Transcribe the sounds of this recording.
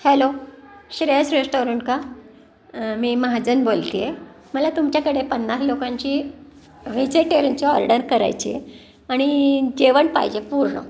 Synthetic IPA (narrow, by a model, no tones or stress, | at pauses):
heloɕɾesɾesʈoɾəɳʈ̚ka | miːməɦad͡zənbolt̪ije | məlat̪umt͡ɕjakəɽepənːaslokãɲt͡ɕiː | ʋet͡seʈeɾənt͡ɕɔɔ̰ɾɖəɾkəɾa̰jt͡ɕḭjḛ | aɽ̃id͡ʑeʋəɳpa̰jd͡ʑepuɾɳə̰